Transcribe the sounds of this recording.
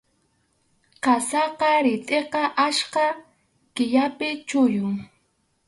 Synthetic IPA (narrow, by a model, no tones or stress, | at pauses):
qɑsɑqɑɾɪt̪ʼeqɑʔaʃqɑ | kɪʎapɪt͡ʃʊjʊŋ